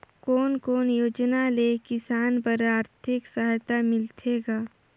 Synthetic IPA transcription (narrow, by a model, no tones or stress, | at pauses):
koːnkoːnjoːd͡ʒnalekɪsaːnpəɾaːɾt̪ʰɪksəɦt̪amɪlt̪ʰeːɡaː